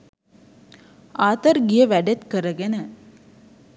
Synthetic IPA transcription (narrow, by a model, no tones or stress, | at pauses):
aːt̪əɾɡijəʋæɖet̪kəɾəɡenə